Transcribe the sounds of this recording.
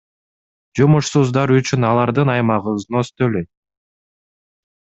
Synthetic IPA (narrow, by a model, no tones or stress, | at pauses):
d͡ʒumuʃsuzd̪ɑɾyt͡ʃynɑlˠɑɾd̪ɯnɑjmɑʁɯznøst̪øløjt̪̚